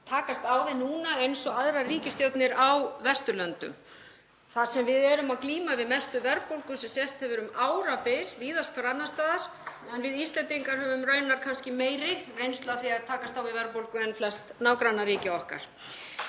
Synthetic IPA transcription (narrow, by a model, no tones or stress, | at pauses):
t̪ʰaːkast̪awvɪnuːnaejnsɔaðɾariːcɪst̪jowt̪nɪɾawvɛst̪ʏlœnt̪ʏ̰m | θaɾ̥sɛmvɪðɛɾʏmawkliːmavɪðmɛst̪ʏvɛɾpowlkʏsɛmsjɛst̪hɛvʏɾʏmaːwɾapɪlviːðast̪faɾat̪nast̪aːðaɾ̥ | ɛnvɪðist̪lɛnt̪iŋkaɾ̥hɛvʏmrœːɥnaɾ̥kʰanscɪmeːjɾɪrejnst̪laθiaðt̪ʰaːkast̪awvɪvɛɾpowlkʏɛnflɛst̪naːwkɾanaɾiːcɪɔhka̰ɾ̥